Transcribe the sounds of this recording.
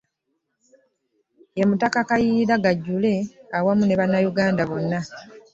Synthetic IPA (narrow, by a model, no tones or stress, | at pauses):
jamutakakajiɾaɡaɟːule̞awamune̞βanːajuɡaːndaβo̞nːa